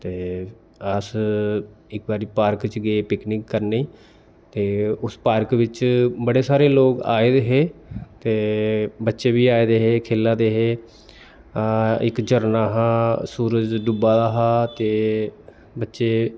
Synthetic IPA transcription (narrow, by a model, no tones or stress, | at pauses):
t̪eː | əs | ɪk̚baːɾiːpaːɾkt͡ʃɡeepɪknɪkːəɾneiː | t̪eːʊspaːɾkʋɪt͡ʃbəɽeːsaːɾeːloːka̰ːeːd̪eːɦeːt̪eːbətːʃeːbiːaːeːd̪eːɦeːkʰeːlːãːd̪eːɦeː | ɪkd͡ʒəɾnaːɦãːsuːɾəd͡ʒɖʊbaːd̪aːɦaːt̪eː | bətːʃeː